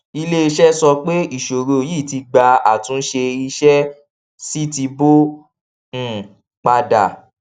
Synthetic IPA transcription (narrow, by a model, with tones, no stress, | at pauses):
i˧le˦i˧ʃɛ˦sɔ˧k͡pe˦i˦˨ʃo˨ɾo˨˦ji˦˨ti˧ɡ͡ba˧a̰˨tũ˦ʃe˧i˧ʃɛ˦ | si˦ti˧bõ˦˨ | k͡pa˧da̰˨